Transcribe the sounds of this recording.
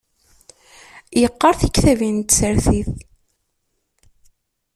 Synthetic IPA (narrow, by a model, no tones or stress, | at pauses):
jəqːəɾˤθikθævint̪səɾθiθ